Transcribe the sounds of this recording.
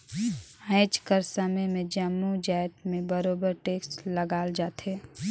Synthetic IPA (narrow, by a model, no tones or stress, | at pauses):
ə̃ɪt͡ʃkəɾsəməjmẽd͡ʒəmːud͡ʒaːɪt̪mẽbəɾoːbəɾʈeːksʈləɡaːld͡ʒaːt̪ɦeː